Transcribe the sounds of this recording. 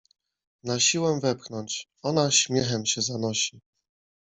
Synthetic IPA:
naɕiwɛvɛpxnɔɲt͡ɕ | ɔnaɕmʲjɛxɛmɕɛzanɔɕi

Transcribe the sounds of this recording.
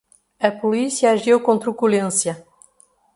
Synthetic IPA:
ɐpulisjaːʒewkõnt̪ɾukulẽsjɐ

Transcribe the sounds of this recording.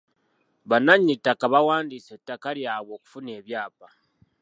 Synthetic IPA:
βanaɲːitːakaβawaːndisetːakaɾjaːβwo̞ːku̥funeːβjaːpa

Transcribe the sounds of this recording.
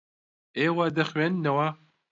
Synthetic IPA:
eːwad̪ɐxɥenːɐwa

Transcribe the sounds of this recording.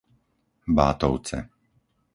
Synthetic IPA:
baːt̪ɔʊt͡sɛ̰

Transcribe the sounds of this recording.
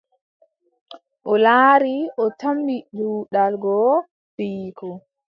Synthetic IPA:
ʔɔlaːɾiʔɔtambiduːɗalɡɔ | fiːkʰɔ

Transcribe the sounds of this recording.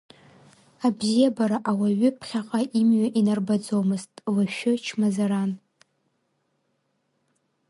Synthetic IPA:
abzijabaɾaʔawaɥʏpʰχʲaqʼaʔimɥaʔinarbad͡zowmɨztʼlaʃʊt͡ʃʰmazaɾan

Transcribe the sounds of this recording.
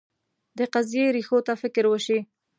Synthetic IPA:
d̪əqazjeɾixot̪afɪkɾwəʃi

